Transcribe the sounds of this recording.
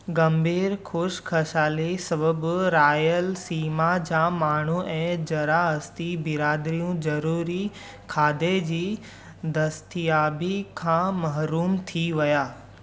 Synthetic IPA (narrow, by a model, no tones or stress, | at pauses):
ɡɐmbʱiːɾkʰʊʃkʰɐʃaːlisɐbəbɾaːjəlsiːmad͡ʑaːmaːɳ̤uɛ̃ːd͡ʑɐɾaɐst̪ibɪɾaːd̪ɾijũd͡ʑɐɾuːɾi | kʰaːd̪ed͡ʑiː | d̪ɐst̪ijaːbikʰãːmɐɦɾuːmt̪ʰiʋɐjaː